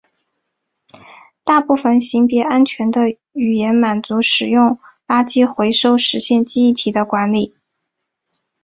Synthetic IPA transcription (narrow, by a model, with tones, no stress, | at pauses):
t̪a˥˧pu˥˩fə˨˩nɕi˧˥ŋpjɛ˧˥a˥nt͡ɕʰɥɛ˧˥nd̪ə˧ | y˨˩jɛ˧˥nma˨˩nt͡su˧˥ʂɻ̩˨˩jʊ˥˩ŋ | la˥t͡ɕi˥xwe˧˥ɪʂo˥ʊʂɻ̩˧˥ɕjɛ˥˧nt͡ɕi˥˧i˥˩t̪ʰi˨˩d̪ə˦kwa˧˥nli˨˩˦